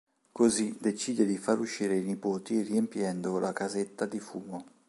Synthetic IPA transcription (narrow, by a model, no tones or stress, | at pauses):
kozid̪et͡ʃiːd̪ed̪ifaɾuʃːiːɾeinipoːt̪iriempjɛnd̪olakazet̪ːad̪ifuːmo